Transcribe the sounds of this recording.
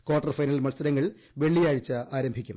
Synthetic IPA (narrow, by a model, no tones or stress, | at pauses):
koːrʈːɐrfɐjnɐlmɐɭsɐɾɐŋːɐɭ | ʋe̞ɭːijaːɻit͡ɕːɨaːɾɐmbʱikʲːum